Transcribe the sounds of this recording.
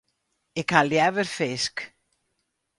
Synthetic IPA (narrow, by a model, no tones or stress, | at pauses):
ɪkʰaljɛvʏɾ̥fɪsk